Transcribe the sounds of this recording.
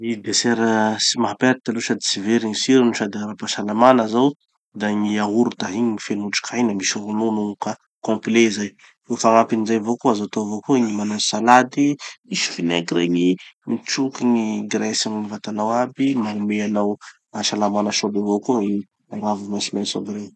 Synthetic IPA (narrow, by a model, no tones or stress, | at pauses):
id̪esɛɾəsimaɦapaɾit̪aluʃad̪i̥siveɾiɲisiɾinuʃad̪iaɾapaʃalamanazaw | d̪aŋiaɦuɾut̪aɦiɲiɲifenuʈ͡ʂu̥kʰainəmisuɾununuŋuka | kɔ̃mplezaj | ewfaŋapinizajvokoazat̪ovokoiɲimanasalad̪imiʃi̥finḛkiɾeɲimiʈ͡ʂukiŋiɡɾɛsamɲivat̪anawabimaumeanaw | aʃalamanəʃobevokoi | aŋavimasimasoɡɾe